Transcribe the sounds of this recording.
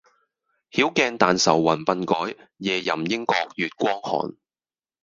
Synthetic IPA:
hiː˨˥wkɛː˧nt̪aː˨nsɐ˨˩wːɐ˨˩npɐ˧nkɔː˨˥j | jɛː˨jɐ˨˩mjɪ˥ŋkɔː˧k̚jyː˨t̚kʷwɔː˥ŋhɔ̰ː˨˩n

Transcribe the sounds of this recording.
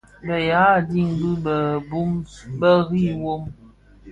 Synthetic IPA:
bə˨ja˨˦˨di˦ŋ˨bu˦bə˨bu˦mbə˦ɣi˦˨wo˦m

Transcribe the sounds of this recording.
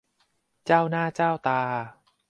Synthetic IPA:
t͡ɕaː˥˩wnaː˥˩t͡ɕaː˥˩wt̪aː˧

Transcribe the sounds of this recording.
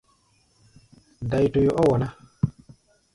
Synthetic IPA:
da˨jto˨jo˨ʔɔ˦wɔ˨na˦

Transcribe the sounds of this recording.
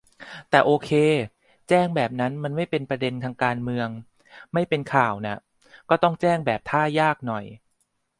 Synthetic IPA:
t̪ɛː˨˩ʔoː˧kʰeː˧ | t͡ɕɛː˥˩ŋbɛː˨˩p̚na˦˥nma˧nma˥˩jpe˧npɾa˧de˧nt̪ʰaː˧ŋkaː˧nmɯ˧əŋ | ma˥˩jpe˧nkʰaː˨˩wna˦˥˩ | kɔː˥˩t̪ɔ˥˩ŋt͡ɕɛː˥˩ŋbɛː˨˩p̚t̪ʰaː˥˩jaː˥˩k̚nɔ˨˩j

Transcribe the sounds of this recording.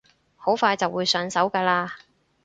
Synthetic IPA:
ho˨˥wfaː˧jt͡sɐ˨wːuː˨˧jsœː˨˧nsɐ˨˥wkaː˧laː˧

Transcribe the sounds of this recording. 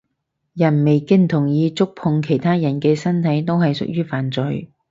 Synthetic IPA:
jɐ˨˩nme˨jkɪ˥ŋt̪ʰʊ˨˩ŋjiː˨˧t͡sʊ˥k̚pʰʊ˨˧ŋkʰe˨˩jt̪ʰaː˥jɐ˨˩nkɛː˧sɐ˥nt̪ʰɐ˨˥jt̪o˥wɦɐ˨jsʊ̰˨k̚jyː˥faː˨nt͡sɵ˨j

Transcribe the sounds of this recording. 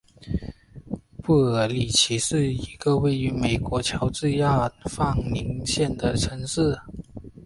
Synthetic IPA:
pu˥˩ə˧˥li˨˩t͡ɕʰi˧˥ʂɻ̩˥˩i˧˥ɡ̥ə˧we˥˩ɪy˧˥me˨˩ɪkwɔ˧˥t͡ɕʰjɑ˧˥ʊt͡s̩˥˧ja˥˧fɑ˥˩ŋni˧˥ŋɕjɛ˥˩nd̪ə˩ʈ͡ʂʰɤ˧˥ŋʂɻ̩˥˩

